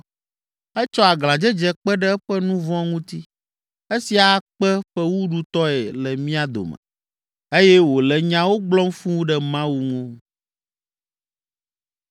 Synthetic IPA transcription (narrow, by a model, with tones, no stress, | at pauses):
ɛ˦t͡ʃɔ˦a˨ɡl̃ã˨d͡ʒɛ˦d͡ʒɛ˨k͡pɛ˦ɖɛ˦ɛ˦ɸɛ˦nũ˦vɔ̃˦ŋũ˦t̪i˦ | e˦si˨a˨˦k͡pɛ˦ɸɛ˦wu˦ɖu˦t̪ɔ˦ɛ˨lɛ˨mĩ˦a˨d̪o̰˨mɛ̰̃˨ | e˦jɛ˦wo˨lɛ˨ɲã˦wo˦ɡ͡blɔ˦m˦fũ˦wu˦ɖɛ˨mã˦wu˦ŋũ˦